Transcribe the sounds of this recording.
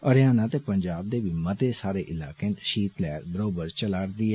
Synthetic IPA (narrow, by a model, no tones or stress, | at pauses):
əɾjaːnaːt̪eːpəɲd͡ʒaːb̚d̪eːʋiːmət̪eːsaːɾeːʔɪlaːkeːnʃiːt̪lɛːɾbəɾoːbəɾt͡ʃəlaːɽd̪iːɛː